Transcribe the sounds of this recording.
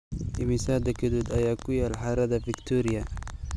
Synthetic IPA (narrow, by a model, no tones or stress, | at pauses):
ʔɪmɪsaːd̪ɐkʰɪd̪uːd̪ɐjaːkʰʊjaːlħɑɾɐðɐfɪkt̪ʰuːɾɪjɐ